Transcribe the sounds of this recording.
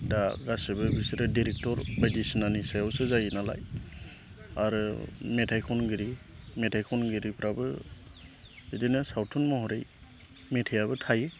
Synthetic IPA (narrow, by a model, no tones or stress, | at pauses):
daɡasɯbɯbisiɾɛdiɾɛk̚tɔɾbajdisɯnanisajɔwsɯzajnala̰j | aɾɯmɛtʰajkʰɔnɡɯɾi | mɛtʰajkʰɔnɡɯɾipʰɾabɯ | edenɛsawtʰɔnmɔɦɔɾej | mɛtʰijabɯtʰaj